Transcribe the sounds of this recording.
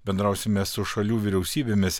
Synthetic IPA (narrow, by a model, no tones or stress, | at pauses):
bʲɛnd̪ɾɐˑʊsʲɪmʲessʊʃɐlʲuːʋʲɪɾʲɛʊsʲiːbʲeːmʲɪs